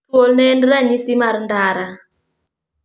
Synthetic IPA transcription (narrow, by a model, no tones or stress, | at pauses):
wolnɛndɾaɲisimarndaɾa